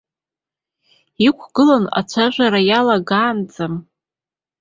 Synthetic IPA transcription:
ikʷʰɡ̥ɨlana̰t͡ʃʷʰaʒʷaɾajalaɡaːnd͡zam

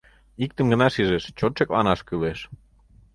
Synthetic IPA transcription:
ik̚t̪ə̆mɡə̆nɑʃiʒeʃt͡ɕot̪ʃeklɑ̰nɑʃkyleʃ

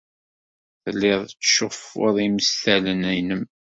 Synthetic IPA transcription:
θəlːɪðˤt͡sːʃʊfːʊ̰ðˤiməsθælənæjnəm

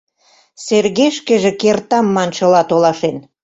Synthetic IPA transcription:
serɣeʃkĕʒĕkert̪ɑmːɑnʃɤ̆lɑt̪olɑʃen

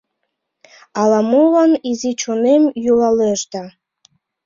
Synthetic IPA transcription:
ɑlɑmulɑnizit͡ɕunemjulɑleʃd̪ɑ

